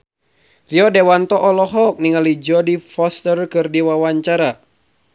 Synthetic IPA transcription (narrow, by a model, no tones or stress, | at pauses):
riɔdewant̪ɔʔɔlɔɦɔk̚niŋalid͡ʒɔdifɔst̪ərkɨrdiwawaɲt͡ʃaɾa